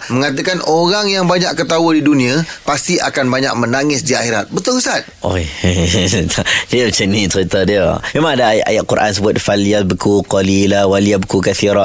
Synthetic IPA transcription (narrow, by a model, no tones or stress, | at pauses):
məŋat̪̬akanoɾaŋjaŋbaɲaʔkət̪awədidunĩapast̪iʔa̰kanbaɲa̰ʔ̚mənaŋɪsdiaxeɾat̪̚bət̪ʊləsat̪̚ʔojʰ | diat͡ʃənit͡ʃəɾit̪adiamemaŋadaːjʔa̰jaʔkuɾʔa̰nsəbuat̪̚faliabəkuqɔlilawaljabkukaθiɾa